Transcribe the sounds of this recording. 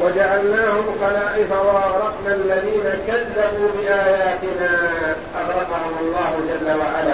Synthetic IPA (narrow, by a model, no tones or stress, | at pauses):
wad͡ʒaʕalnaːhʊmxɑlaːʔɪfawaʔɑɣɾˤɑqnaʔalːaðiːnakaðːabuːbɪʔaːjaːt̪ɪnaːʔɑd̪ɾˤɑqɑhʊmɑlˤːɑːhʊd͡ʒalːawaʕalaː